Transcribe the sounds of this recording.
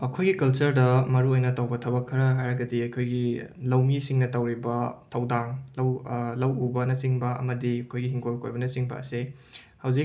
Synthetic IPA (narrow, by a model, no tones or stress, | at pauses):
ɐkʰojɡikɐlt͡ʃɐɾdɐmɐɾuojnɐtɐwbɐtʰɐbɐkʰːɐɾɐɦajɾɐɡɐdiɐkʰojɡilɐwmisiŋnɐtɐwɾibɐtʰɐwdaŋlɐwlɐwubɐnɐt͡ʃiŋbɐɐ̰mɐdiɐkʰojɡiɦiŋɡolko̰jbɐnɐt͡ʃiŋbɐ̰ɐ̰se | hɐwzi